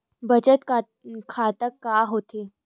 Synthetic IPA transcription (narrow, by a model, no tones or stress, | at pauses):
bət͡ɕət̪ | kʰat̪əkːaɦot̪e